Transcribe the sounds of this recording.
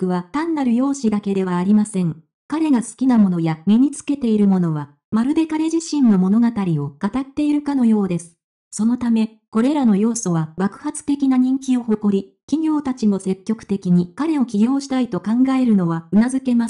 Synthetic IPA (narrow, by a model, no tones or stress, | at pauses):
kɯ̟βat̪ãnːaɾɯ̟jo̞ːɕid̪ake̞d̪e̞βaːɾʲimasẽ̞ŋ | kaɾe̞ɡasɨ̥kʲinamo̞no̞jamʲiɲ̟it͡sɨ̥ke̞t̪e̞iɾɯ̟mo̞no̞βa | maɾɯ̟d̪e̞kaɾe̞ʑiɕĩnːo̞mo̞no̞ɡat̪aɾʲio̞kat̪at̪ːe̞iɾɯ̟kano̞jo̞ːd̪e̞sɨ̥ | so̞no̞t̪ame̞ | ko̞ɾe̞ɾano̞jo̞ːso̞βaɡakɯ̟̥hat͡sɨ̥t̪e̞kʲinaɲ̟ĩŋkʲio̞ho̞ko̞ɾʲikʲiɡʲo̞ːt̪at͡ɕimo̞se̞kʲːo̞kɯ̟̥t̪e̞kʲiɲ̟ikaɾe̞o̞kʲiɡʲo̞ːɕi̥t̪ait̪o̞kãŋɡae̞ɾɯ̟no̞βaɯ̟nazɨke̞mas